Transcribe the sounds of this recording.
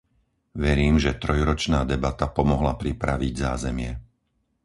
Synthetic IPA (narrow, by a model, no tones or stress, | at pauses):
ʋɛɾiːmʒɛt̪ɾɔjɾɔt͡ʃnaːd̪ɛbat̪apɔmɔɦlapɾipɾaʋiɟza̰ːzɛmɪɛ